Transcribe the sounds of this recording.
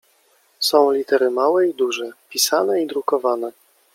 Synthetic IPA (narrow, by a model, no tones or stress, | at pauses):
sɔ̃w̃lʲit̪ɛɾɘmawɛid̪uʐɛpʲisanɛid̪ɾukɔvanɛ